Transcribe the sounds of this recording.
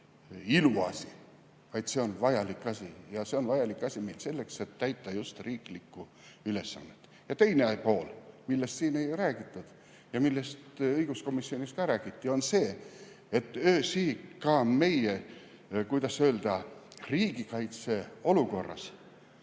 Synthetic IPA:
iluɑ̰si | vɑjd̪̥se̞o̞nvɑjɑlikːˑɑsʲijɑse̞o̞nvɑjɑlikːˑɑsʲime̞jlse̞lːe̞kse̞t̪ːæjt̪ˑːɑjust̪riːklikːˑu | yle̞sːɑ̰nːet̪ː | jɑt̪e̞jneɑpo̞ːlmilːest̪siːne̞jræːɡ̥it̪ːˑud̪̥ | jɑmilːe̞st̪ɤjɡ̥usko̞misːio̞niskɑɾæːɡ̥it̪ːˑio̞nse̞ː | et̪ːˑøːsiːkɑːme̞je | kujd̪̥ɑsø̞ːld̪̥ɑriːɡ̥ikɑjt̪se̞o̞luko̞rːɑ̰s

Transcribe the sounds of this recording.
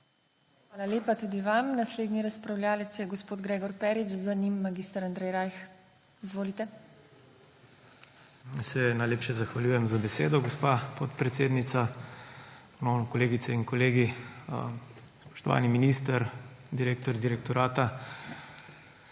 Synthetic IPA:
xxʋaːlaleːpat̪uːd̪iʋamnasleːd̪niɾaspɾawljaːlɛt̪sjɛɡɔspoːd̪ɡɾeːɡɔɾpɛːɾit͡ʃzanimːaɡist̪aɾand̪ɾɛjɾajx | izʋoːlit̪ɛ | sɛnajleːpʃɛzaxʋaljuːjɛmzabɛseːd̪ɔɡospapɔt̪pɾɛt̪seːd̪nit̪sa | nɔnɔkɔleːɡit̪sɛinkɔleːɡi | spɔ̥ʃt̪ɔʋa̰ːniminist̪əɾd̪iɾeːk̚t̪ɔɾd̪iɾɛk̚t̪ɔɾaːt̪a

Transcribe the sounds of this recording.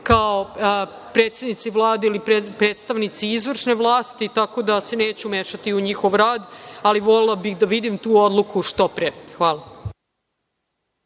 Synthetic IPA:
kao | pɾeːt̪sʲed̪nit̪siʋlˠaːd̪eilippɾeːt̪st̪aʋnit̪siizʋr̩ʃnevlˠaːst̪it̪ako̞d̪ase̞neːt͡ɕumeʃat̪iuɲixo̞ʋɾaːd̪aliʋo̞lelabixd̪aʋid̪imt̪uːod̪lˠukuʃt̪opɾexʋaːla

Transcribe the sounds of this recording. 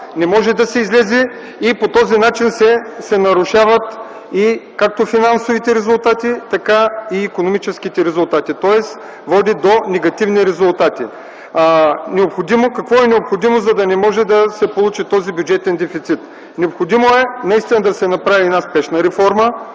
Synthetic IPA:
nɛmɔʒɛd̪ɐsɛizlɛzɛː | pot̪ɔzinat͡ʃinsɛsɛnɐɾʊʃavɐt̪ | ikak̚t̪ofinansovit̪ɛɾɛzʊlˠt̪at̪it̪ɐkaiːkonomit͡ʃɛsk̟it̪ɛɾɛzʊlˠt̪at̪it̪ɔɛs | vɔd̪id̪onɛɡɐt̪ivniɾɛzʊlˠt̪at̪ḭ | nɛopxod̪imokɐkvɔɛnɛopxod̪imozɐd̪ɐnɛmɔʒɛd̪ɐsɛpolˠut͡ʃit̪ɔzibʲjʊd͡ʒɛt̪ɛnd̪ɛfit̪sit̪ | nɛopxod̪imoɛnɐist̪inɐd̪ɐsɛnɐpɾaviɛd̪aspɛʃnɐɾɛfɔɾmə

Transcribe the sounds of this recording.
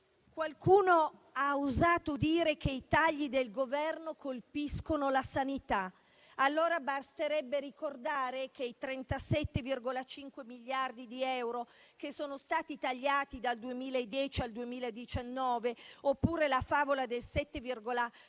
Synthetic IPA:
kwalkuːnoauzaːt̪od̪iːɾek̟eit̪aʎːid̪elɡovɛrnokolpiskonolasanit̪a | alːoːɾabast̪eɾɛbːeɾikord̪aːɾekeit̪ɾɛnt̪asɛt̪ːevirɡolat͡ʃiŋkwemiʎːard̪id̪iɛwɾo | k̟esːoːnost̪aːt̪it̪aʎːaːt̪id̪ald̪uemiːlaed̪ːjɛːt͡ʃiald̪uemiːlaed̪it͡ʃanːɔːveopːuːɾelafaːvolad̪elsɛt̪ːevirɡola

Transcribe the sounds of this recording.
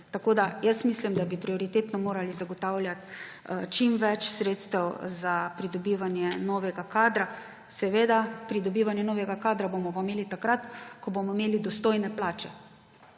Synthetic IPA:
t̪akoːd̪ajəsmislimd̪abipɾiɔɾit̪eːt̪nɔmoːɾalizaɡɔt̪aːwlʲjat̪ | t͡ʃimʋɛt͡ʃsɾeːt̪st̪ɛwzapɾid̪ɔbiːʋanjɛnɔːʋɛɡakaːd̪ɾa | sɛʋeːd̪apɾid̪ɔbiːʋanjɛnoːʋɛɡakaːd̪ɾabomɔʋameːlit̪akɾat̪kɔbomɔimeːlid̪ɔst̪oːjnɛplaːt͡ʃɛ

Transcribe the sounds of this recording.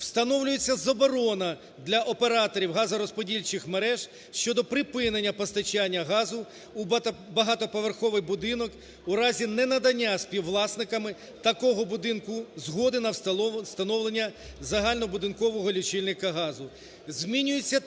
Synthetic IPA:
w̥st̪ɐnɔwlʲʊjet͡sʲːɐzɐbɔɾɔnɐ | d̪lʲɐʔɔpeɾɑt̪ɔɾʲiwɦɑzɐɾɔspɔdʲilʲt͡ʃɪxmeɾɛʒ̥ | ʃt͡ʃɔd̪ɔpɾɪpɪnenʲːɐpɔst̪ɐt͡ʃanʲːɐɦɑzʊ | bɐɦɑt̪ɔpɔʋerxɔʋɪjbʊd̪ɪnɔk | uɾɑzʲinɛnɐd̪ɐnʲːasʲpʲiwlˠɑsnɪkɐmɪ | t̪ɐkɔɦɔbʊd̪ɪnkʊzɦɔd̪ɪnɐwst̪ɐnɔwlˠenʲːɐzɐɦɑlʲnɔbʊd̪ɪnkɔʋɔɦɔlʲit͡ʃɪlʲnɪkɐɦɑzʊ | zʲmʲinʲʊjet͡sʲːɐ

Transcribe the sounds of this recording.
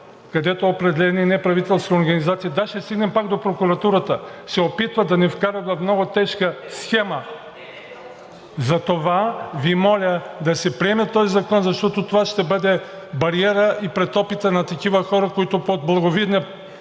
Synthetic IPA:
kɐd̪ɛt̪oopɾɛd̪ɛlɛninɛpɾɐvit̪ɛlˠst̪kɐoɾɡɐnizat̪sijɐd̪aʃt̪ɛst̪iɡnɛmpaɡd̪opɾokuɾɐt̪uɾɐt̪əsɛopit̪vɐd̪ɐnɛfkaɾɐvɐfmnɔɡʊt̪ɛʃkəsxɛmɐ | zɐt̪ovavimɔlʲəd̪ɐsɛpɾiɛmɛt̪ɔzizɐkɔnzɐʃt̪ɔt̪ot̪ovaʃt̪ɛbəd̪ɛ | bɐɾiɛɾəʔipɾɛt̪ɔpit̪ənɐt̪ɐkivɐxɔɾɐkoit̪opod̪̚blˠɐɡovid̪nɛ

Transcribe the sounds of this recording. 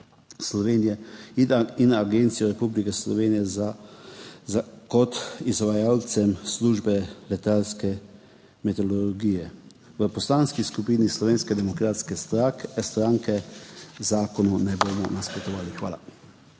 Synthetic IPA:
slɔʋeːnijɛiinaɡent̪sijɔɾɛpublikɛslɔ̰ʋeːnijɛza | kɔt̪izʋajaːlt̪sɛmsluʒbɛlɛt̪alskɛ | mɛt̪ɔlɔlɾɡiːjɛ | ʋəpɔslaːnskiskupiːnislɔʋeːnskɛd̪ɛmɔkɾaːt̪skɛst̪ɾast̪ɾaːŋkɛzaːkɔnunɛboːmɔnaspɾɔt̪ɔʋaːlixʋa̰ːla̰

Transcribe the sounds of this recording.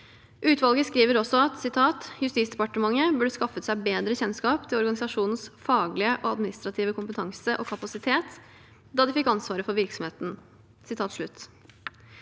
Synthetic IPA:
ʔʉːt̪ʰʋɑlɡəskɾiːʋəɾɔsːɔɑt̪sɪt̪ʰɑːt̪jʉst̪iːtsd̪ɛpɑʈəmɑŋːəbʉɖəskɑfət̪sæɪbeːd̪ɾəçɛnskɑːpt̪ʰɪlɔɾɡɑnɪsɑʂuːnn̩sfɑːɡlɪəʔɔɑd̪mɪnɪst̪ɾɑt̪ʰiːʋəkʰʊmpət̪ʰɑŋsəʔɔkʰɑpɑsɪt̪ʰeːt̪ | d̪ɑːd̪ɪfɪkːɑnsʋɑːɾəfɔɾʋɪɾksɔmheːt̪n̩ | sɪt̪ʰɑːt̪ʂɭʉt̪ː

